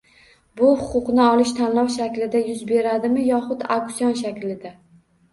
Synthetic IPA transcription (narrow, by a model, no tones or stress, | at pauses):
bʊhʊqʊqnɪɒlɪʃt̪ʰanlɒwʃakʲlɪd̪ajʊzbe̞ɾad̪ɪmɪjɒχʊd̪a̰kʊ̥sjɒnʃ̬akʲlɪd̪a